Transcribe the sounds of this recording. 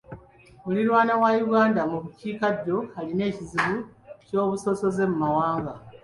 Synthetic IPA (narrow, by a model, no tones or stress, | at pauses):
muliɾwaːnawajuɡaːndamuβuciːkaɟːo̞aline̞ːciziβuco̞ːβuso̞so̞ze̞mumawaːŋɡa